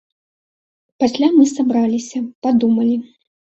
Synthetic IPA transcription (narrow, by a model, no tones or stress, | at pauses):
pasʲlʲamɨsabɾalʲisʲɐpad̪umɐlʲi